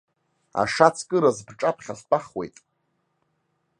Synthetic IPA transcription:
a̰ʂat͡sʰkʼɨɾazbʈ͡ʂʼapʰχʲaɬpʼaχwe̞̰jtʼ

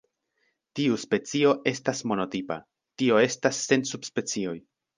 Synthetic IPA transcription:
tiuspe̞t͡sio̞ʔe̞stasmo̞no̞tipa̰ | tio̞e̞stasːe̞nsubspe̞t͡sio̞j

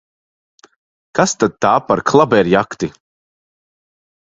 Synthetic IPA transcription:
kast̪ad̪̚t̪aːpaɾkʰlˠabɛɾjakt̪i

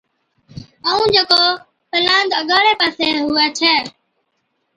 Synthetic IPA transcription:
əːũːd͡ʒeːkoː | pəlaːnd̪əɠaːɾeːpaːseːɦʊːeːt͡ʃʰɛː

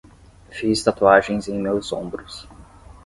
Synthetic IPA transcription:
fist̪at̪uaʒẽj̃zẽj̃mewzõ̰bɾʊs

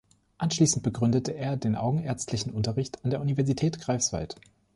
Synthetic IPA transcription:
ʔanʃliːsn̩t̚b̥əɡʁʏndətəʔeːɐdeːnʔa̰ʊɡŋ̩eɐt͡stʰlɪçn̩ʔʊntɐʁɪçtʰandeːɐʔunivɛɐzitʰɛːtɡ̥ʁ̥aɪfsv̥a̰lt

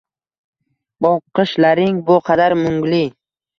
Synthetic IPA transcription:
bɒqːɨʃlaɾɪŋbʊqʰɑd̪aɾmʊŋɡlɪ

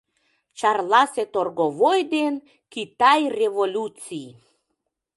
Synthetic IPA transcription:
t͡ɕɑrlɑset̪orɣovojd̪en | kit̪ɑjrevolʲut͡sij

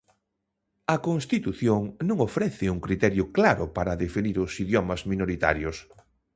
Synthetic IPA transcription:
ɐkoŋst̪it̪uθjoŋnõŋofɾɛθɪuŋkɾit̪ɛɾjʊklaɾʊpaɾɐðefiniɾʊsiðjɔmɐzminoɾit̪a̰ɾjʊs

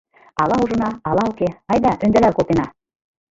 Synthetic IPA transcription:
ɑlˠɑuʒɤ̆nɑɑlˠɑukeɑjd̪ɑʔɵ̆nd̪ælælkolˠt̪enɑ

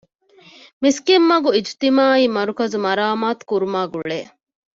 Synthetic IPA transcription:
miskemːɐɡuid͡ʒt̪imaːiːmɐɾukɐzumɐɾaːmaːt̪u̥kuɾumaːɡuɭeː

